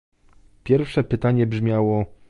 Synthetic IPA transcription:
pʲjɛɾfʂɛpɘt̪aɲɛbʐmʲjawɔ

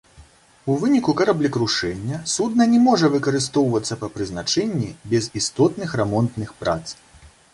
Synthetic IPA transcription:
uvɨnʲikukɐɾablʲikɾuʂɛnʲːɐsud̪nɐnʲɛmɔʐɐvɨkɐɾɨs̬t̪ɔwvɐt̪sːɐpɐpɾɨznat͡ʂɛnʲːibʲɛzist̪ɔt̪nɨxɾɛmɔnt̪nɨxpɾa̰t̪s

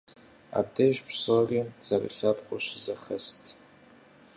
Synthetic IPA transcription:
a̰ːb̚deʒpsoriːz̥ɐrə̰ɬɐpqʷʼʊɕɪzɐxɐstʰ

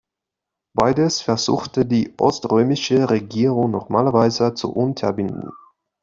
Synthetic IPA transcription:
b̥aɪdəsfɛɐzṵːxtədiːʔɔ̰stʁøːmɪʃəʁeɡiːʁʊŋnɔʁmaːlɐvaɪzət͡sṵʔʊntʰɐɐbɪndn̩

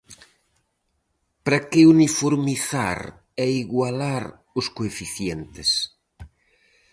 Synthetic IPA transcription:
pɾakeunifoɾmiθa̰ɾ | ɛiɣwalaɾ | ʊskoefiθjɛnt̪ɪs

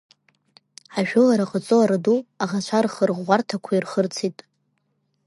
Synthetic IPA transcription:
ʕaʒᶣʊlaɾaqʼət͡sʼoaɾaduaʁat͡ɕʷʰarχərʁːʷartʰakʷʰairχərt͡sʰitʼ

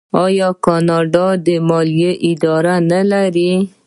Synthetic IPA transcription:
ɑjɑkɑnɑɖɑd̪əmɑlijeʔɪd̪ɑɾanalaɾi

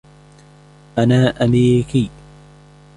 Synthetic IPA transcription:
ʔanaːʔameːɾɪkiː

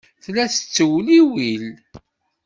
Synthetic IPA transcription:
θlæθə̥t͡sːəwliwil

